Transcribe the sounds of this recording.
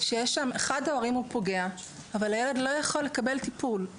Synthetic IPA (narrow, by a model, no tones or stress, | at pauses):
ʃejeʃameχadaoʁimupo̞ɡe̞a | avalhajele̞dlo̞jaχo̞lːe̞kabe̞ltipul